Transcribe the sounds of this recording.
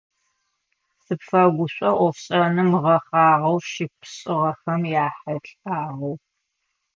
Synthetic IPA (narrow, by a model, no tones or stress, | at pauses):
sɨpfɐɡʷʊɕʷʼɐʔʷɔfɕʼɐnɨmʁɐχɑːʁɐwʃɪpʰɕʼɪʁɐxɐmjaːħɐɬʼaːʁɐw